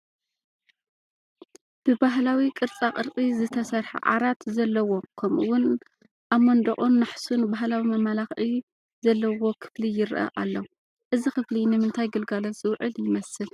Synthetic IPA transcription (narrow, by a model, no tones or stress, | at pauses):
b̥ɨbaɦlawikʼɨɾt͡sʼaqʼɨɾkʼizɨt̪ʰɐsɐɾħa̰ʕa̰ɾat̪zɐlːɐwo̞kʰɐmʔuwʊn | ʔamːond̪ɐχʼunːaħsunbaɦlawimɐmalaxi | zɐlːɐwo̞kʰɨ̥flijɪɾʔɐ̰ʔalːɐw | ʔɨzixɨflinɨmɨnt̪ʰajɡɨlɡaloz̥ɨwʕɨljɪmɐsɨl